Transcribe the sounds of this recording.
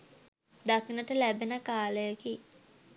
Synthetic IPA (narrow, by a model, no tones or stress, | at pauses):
d̪akinəʈəlæbenəkaːləjəki